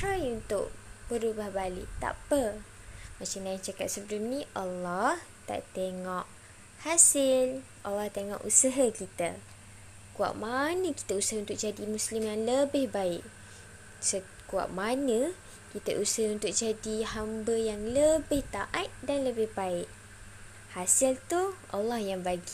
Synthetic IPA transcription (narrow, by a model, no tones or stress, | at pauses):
t̪ɾajunt̪ʊ̰ʔ̚b̥əɾubahbalɪ̰ʔt̪a̰pə | mat͡ʃamlaɪnt͡ʃakat̪̚səbəlʊmnĩʔalːɔht̪a̰ʔt̪eŋɔʔ̚ | hasɪl | ʔalːɑht̪eŋɔ̰ʔusəɦakit̪ə | kua̰ʔ̚manə̃ki̥t̪əusəɦunt̪ʊk̚d͡ʒadimũslɪmjaŋləbɪhbaɪʔ | sə | kua̰ʔ̚manə̃ | kit̪əʔusəɦunt̪ʊk̚d͡ʒadihambəjaŋləbɪht̪aʔat̪̚danləbɪhbaɪʔ | hasɪlt̪uʔa̰lːɑhjaŋbaɡi